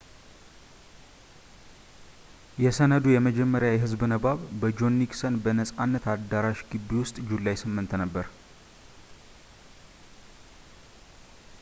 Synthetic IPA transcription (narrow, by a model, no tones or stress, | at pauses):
jɛsənəd̪ujɛməd͡ʒɛmːəɾjawjɦɨzbnəβaβbəd͡ʒo̞nːiksənbənəsʼanːət̪ad̪aɾaʃɡɨbːiwʊst̪ʼd͡ʒulːajsɨmːɨnt̪nəbːəɾ